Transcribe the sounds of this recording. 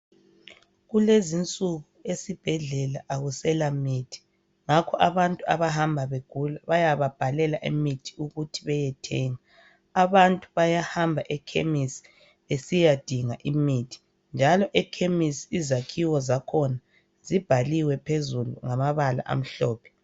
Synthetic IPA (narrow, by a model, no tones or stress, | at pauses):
ɣulezint͡sʼuɣuesib̥ʱɛɮɛlaʔaɣusɛlamitʰi̥ | ŋakʰɔʔaβantʼuaβahambʱaβeɡ̥ʱulaβajaβab̥ʱalɛlaʔemitʰi̥uɣutʰiβɛjɛtʰɛːŋa | aβantʼuβajahambʱaʔɛkʰḛmisi̥ | esijad̥ʱiŋaʔimitʰi̥ | nd͡ʒʱalɔʔɛkʰemisiːzakʰiwɔzakʰɔna | zib̥ʱaliwɛpʰezulṵŋamaβala̰ʔa̰m̩ɬɔːpʰɛ̥